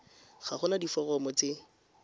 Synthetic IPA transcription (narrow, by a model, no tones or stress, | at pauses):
χaχʊnadifɔrɔmɔt͡sɪ